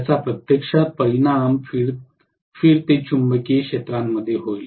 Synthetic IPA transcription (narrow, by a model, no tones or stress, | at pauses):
t͡sapɾət̪jəkʂapəinamfiɾ | fiːɾt̪et͡ɕumbəkekʂet̪ɾamːəd̪ʱːjeɦojl